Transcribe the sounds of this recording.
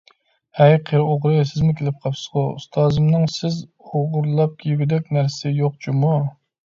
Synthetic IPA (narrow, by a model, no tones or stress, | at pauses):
hɛjqʰeɾɨoʁɾɨsɪzmʊkʲʰelɪp̚qʰɑpsɨ̥sʁoṵst̪ʰɑːzɨmnɨŋsɪz | oʁʊɾlˠɑp̚kʲʰejɡʲid̪ɛk̚ʲnæɾsɪjoq̚t͡ʃʰumu